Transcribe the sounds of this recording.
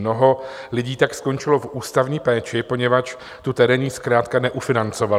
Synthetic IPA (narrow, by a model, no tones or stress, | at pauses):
no̞ɦo̞lɪɟiːt̪aksko̞nt͡ʃɪlo̞fʔuːst̪avɲiːpɛːt͡ʃɪpo̞ɲɛvat͡ʃ | t̪ut̪ɛɾɛɲiskɾaːt̪kanɛʔufɪnant͡so̞val